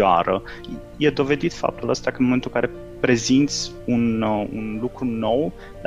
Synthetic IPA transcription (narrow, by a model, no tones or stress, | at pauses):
a̰ɾə̰ | jed̪o̞ve̞d̪it̪fa̰p̚t̪uləst̪akənmoment̪ulkaɾe̞ | pɾe̞zint̪sʲ | unṵnlukɾuno̞w